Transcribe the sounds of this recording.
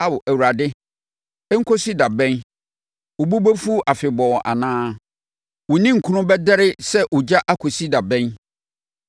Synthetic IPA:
a˦wʊ˨ʔæ˨wu˨ɾa˨dɪ˦ | ɛ˦ŋ̩˦kʰo˦si˦da˨bɛ̃˦n | ʊ˨bu˦bo˦fu˦ʔa˨fɪ˨bɔ˨ʔa̰˨nãː˦ | wʊ˨nĩ˦ŋ̩˨kʰũ˦nʊ̃˦bɛ˦dɛ˦ɾɪ˦sɛ˦ʔʊ˨d͡ʑa˦ʔa˦kʰo˨si˦da˨bɛ̃˦n

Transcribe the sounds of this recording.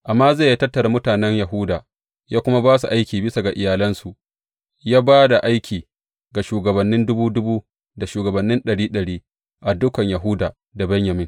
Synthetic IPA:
ʔa˨mːaː˦ze˦˨ja˦tɐ˦tːɐ˨ɾa˨mʊ˦taː˨nɛ˦ɲja˨ɦʊ˦daː˨ | jaː˦kʷʊ˦ma˦baː˦s̬u˨ʔa˦jkʲiː˨bɪ˦sa˨ɡa˨ʔɪ˨jaː˨lɐ˦nsu˨ʔ | jaː˦baː˦da˨ʔa˦jkʲiː˨ | ɡa˨ʃuː˨ɡɐ˨bɐ˨nːɪ˦ndʊ˦buː˦dʊ˦buː˦ | da˨ʃuː˨ɡɐ˨bɐ˨nːɪ˦nɗɐ˨ɽiː˦ɗɐ˨ɽiː˦ | ʔa˨dʊ˦kɐ˨ɲja˨ɦʊ˦daː˨ | da˨bɐ˦ɲjɐ˨mɪ˦ŋ

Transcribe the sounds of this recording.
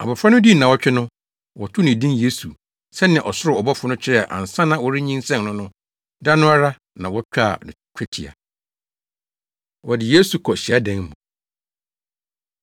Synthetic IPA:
a˨bɔ˨fɾa˦nʊ̃˦di˦nã˨wɔ˦t͡ɕᶣɪ˦nʊ̃˦ | wɔ˨tʰʊ˦nɪ̃˨dĩ˦nje˦su˨ | sɛ˦nɪ̃˨ʔɔ˨sʊ˦ɾɪ˨ɔ˨bɔ˦fʊ˨nʊ̃˦t͡ɕʰɪ˦ɾɛ˦˨a̰˨ʔã̰˨n˨sã˦nã˨wɔ˦ɾɪ˦ɲĩ˦n˦sɛ̃˦mnʊ̃˦nʊ̃˦ | da˦nʊ̃˦a˦ɾa˦ | nã˨wɔ˦t͡ɕᶣa˦˨n˨kᶣʰɛ˦tʰḭ˨a̰˨ | wɔ˨dɪ˨je˦su˨kʰɔ˨ɕi˨a˦dɛ̃˨ŋmũ˨

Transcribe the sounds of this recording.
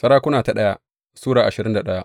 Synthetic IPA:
sɐ˦ɾaː˦kʷʊ˦naː˨ta˨ɗɐ˦ja˦ | suː˦ɽaː˨ʔa˨ʃɪ˨ɾɪ˦nda˨ɗɐ˦ja˦

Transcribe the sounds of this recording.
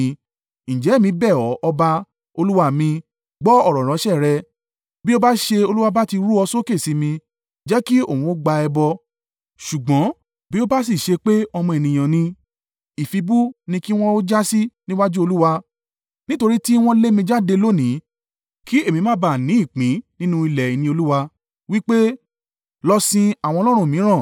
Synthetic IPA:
ñ̩˨d͡ʒɛ˨˦˨mĩ˧bɛ˦˨ɔ˨˦ʔɔ˧ba˧ | o˧lu˦wa˧mĩ˧ | ɡ͡bɔ˦ɔ˦˨ɾɔ˨ɾ̃ɔ̃˨˦ʃɛ˦˨ɾɛ˦ | bi˦o˦ba˦ʃe˧o˧lu˦wa˧ba˦ti˧ɾu˦ɔ˧so˦ke˦˨si˨˦mĩ˧ | d͡ʒɛ˦ki˦o˦˨wũ˨˧o˦ɡ͡ba˧ɛ˧bɔ˧ | ʃu˨ɡ͡bɔ̃˨˦ | bi˦o˦ba˦s̬i˦˨ʃe˧k͡pe˦ɔ˧mɔ̃˧e˨nĩ˨j̃ã˨nĩ˧ | i˨fi˧bu˦nĩ˧ki˦w̃ɔ̃˦o˦d͡ʒa˦si˦nĩ˦wa˦d͡ʒu˦o˧lu˦wa˧ | nĩ˦to˧ɾi˦ti˦w̃ɔ̃˦le˦mĩ˧d͡ʒa˦de˧lo˦nĩ˨˦ | ki˦e˦˨mĩ˧mã˦ba˦˨nĩ˨˦i˦˨k͡pĩ˨˦nĩ˦nũ˦i˧lɛ˨i˨nĩ˧˦o˧lu˦wa˧ | wi˦k͡pe˦ | lɔ˧sĩ˧a˨w̃ɔ̃˧lɔ˦ɾ̃ũ˦˨mĩ˨˦ɾ̃ã˦˨

